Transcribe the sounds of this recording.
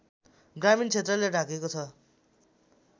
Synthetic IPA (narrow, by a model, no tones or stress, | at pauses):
ɡramint͡sʰet̪rʌlːerʱakekot͡sʰʌ